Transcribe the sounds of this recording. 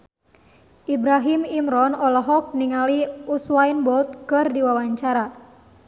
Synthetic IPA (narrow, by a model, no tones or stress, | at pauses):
ʔibɾaɦimimɾɔnɔlɔɦɔk̚niŋaliuswainbɔlt̪̚kɨrdiwawaɲt͡ʃaɾa